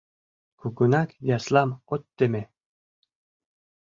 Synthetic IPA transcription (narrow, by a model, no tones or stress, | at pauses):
kʰuɡunakjaslamot̪ːeme